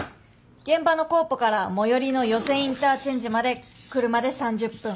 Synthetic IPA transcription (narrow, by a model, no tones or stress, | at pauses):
ɡ̥ẽ̞mbano̞ko̞ːpokaɾamo̞joɾʲino̞jo̞sẽ̞ĩnt̪aːt͡ɕẽ̞ɲ̟d͡ʑimad̪e̞kɯ̟ɾɯ̟mad̪e̞sãɲ̟d͡ʑɨpːɯ̟̃ŋ